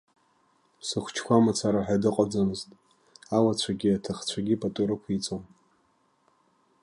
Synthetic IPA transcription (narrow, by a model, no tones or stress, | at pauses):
sɨχʷt͡ʃʰkʷamat͡sʰaɾaħʷᶣadɨqʼad͡zanɨztʼ | alat͡ɕʷʰaɡʲiatʰaχt͡ɕʷʰaɡʲipʼatʼuɾɨkʷʰit͡sʼom